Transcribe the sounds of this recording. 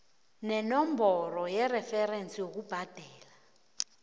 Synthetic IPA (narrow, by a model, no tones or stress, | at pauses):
nɛnɔmbʱɔrɔjɛrɛfɛrent͡sʼijok̬ub̥ʱad̥ʱɛːla